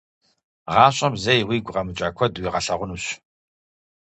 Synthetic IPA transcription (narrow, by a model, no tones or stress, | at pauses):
ʁɑːɕʼɐmzɐjwiːɡʷʊʁɐmɨt͡ʃʼaːkʷʰɔdwiːʁɐɬɐʁʷʊnuɕ